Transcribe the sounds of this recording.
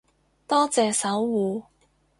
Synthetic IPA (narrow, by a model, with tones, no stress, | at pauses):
t̪ɔː˥t͡sɛː˨˧sɐ˨˥wːuː˨˧